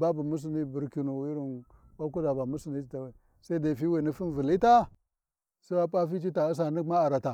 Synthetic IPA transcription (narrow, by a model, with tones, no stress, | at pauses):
ba˦bu˨mu˦s̬i˨ni˦bu˨ɾki˨nu˨i˦ɾi˨n | wa˦ku˦da˨ba˨mu˦si˨ni˦˨ta˨wa˨ | sa˦i˦da˨fi˦we˨ni˦fi˦nvi˨li˦ta˦ | sa˦wa˦pʼa˦fi˦t͡ʃi˦ta˨i˦s̬a˨ni˦ma˦a˨ɾa˨ta˨